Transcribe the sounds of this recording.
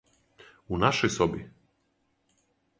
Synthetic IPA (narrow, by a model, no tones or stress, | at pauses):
unaʂɛjsɔbʲjɛ